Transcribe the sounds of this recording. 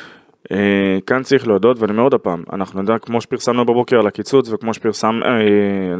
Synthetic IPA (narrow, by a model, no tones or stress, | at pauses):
ekant͡saʁiχleod̪o̞d̪veanimeod̪apaːma̰naχnujod̪akmo̞ʃepiʁsamnubebo̞keʁalakit͡sut͡svekmo̞ʃe̥piʁsam